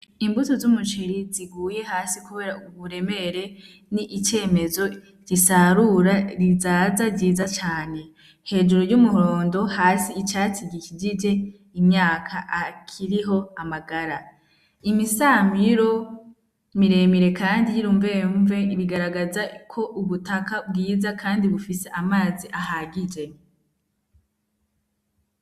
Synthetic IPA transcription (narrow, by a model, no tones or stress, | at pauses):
imbutozumut͡ʃeɾiziɡuːje̞ɦaːsikuβe̞ɾauβuɾe̞me̞ɾe̞ | niʔːt͡ʃe̞ːme̞zo̞ | ɟ̥isaɾuɾaɾizaːzaɟiːzat͡ʃaːne̞ | he̞ːd͡ʒuɾoɾjumuɦo̞ːndo̞haːsiːt͡ʃat͡siɡicid͡ʒid͡ʒe̞ | imɲaːkʰaʔakʰiɾiɦo̞amaɡaɾa | imisamiɾo̞ | miɾe̞miɾe̞kaːndijiɾuːɱve̞ɱve̞iβiɡaɾaɡazakʰo̞ʔuβutakabɡiːzakʰaːndiβufise̞ʔamaːziʔaɦaɡid͡ʒe̞